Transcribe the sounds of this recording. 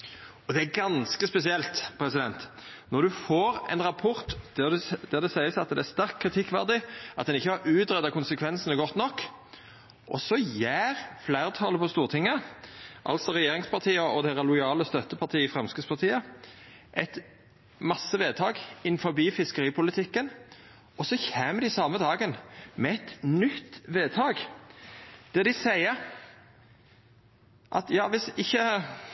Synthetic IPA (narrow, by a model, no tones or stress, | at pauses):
ɔd̪ɛæɡɑnskəspɛsɪɛlt̪pʰɾɛsɪd̪ɛnt̪ | nɔɾd̪ʉfoːɾɛ̰nʁɑpʰɔɾt̪d̪ɛd̪æʁd̪ɛsæɪəsɑt̪d̪ɛæst̪æɾkʰːɾɪt̪ʰɪkːʋæʁd̪ɪʔɑt̪d̪ɛnɪçːəhɑɾʉːt̪ɾɛd̪ːɑkʊnsəkʰʋɛnsənəɡɔt̪ːnɔkː | ʔɔ̰sɔjæːɾflæɪʁt̪ʰɑːləpʰɔst̪uːʁt̪ʰɪŋːəʔɑ̰lsɔʁɛjeːɾɪŋspɑʁt̪ʰiːəɔd̪ɛɪʁɑlʊɪɑːləst̪œt̪ːəpʰɑt̪ʰiːəɪfʁɛmskʉspɑʁt̪ʰiːə | ʔɛt̪ | mɑsːəʋeːd̪t̪ʰɑːɡɪnfɔɾbiːfɪskəʁiːpʰʊlɪt̪ʰɪkːən | ɔsɔçæːməd̪ɪsɑːməd̪ɑːɡənmɛɛt̪nʏt̪ːʋeːd̪̚t̪ʰɑːɡ | d̪̥ɛd̪ɪsæɪəɾ | ʔɑ̰t̪jɑːʋɪsɪçːə